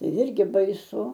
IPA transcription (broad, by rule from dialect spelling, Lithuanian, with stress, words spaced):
ˈjɪrʲɡʲɪ bɐɪˈsʊ